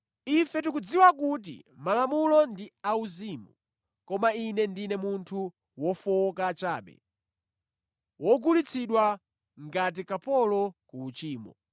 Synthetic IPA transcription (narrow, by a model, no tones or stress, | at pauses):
ifɛt̬ukud͡ziwakut̬ḭmalamulɔndiauziːmu | kɔmainɛndinɛmuntʰu | wɔfɔkat͡ʃaːɓɛ̰ | wɔɡulit͡sʰiɗwa | ŋɡat̬ikapɔlɔkuːt͡ʃiːmɔ